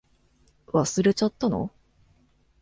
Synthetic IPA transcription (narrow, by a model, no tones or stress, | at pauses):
βasɨɾet͡ɕat̪ːano̰